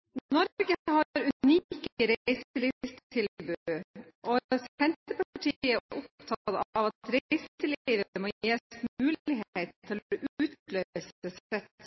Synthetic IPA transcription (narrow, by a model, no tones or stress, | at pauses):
nɔɾɡəhɑɾʉnikəɾeɪsəlɪst̪t̪ʰɪlbʉʔɔsɛnt̪əpʰɑʈʰiəʔʊp̚t̪ʰɑt̪ɑʋɑt̪ɾeɪsəliːʋəmoeːt̪mʉːlɪɦeɪt̪ʰːɪlʔʉːt̪lœʏəsəsɛt̪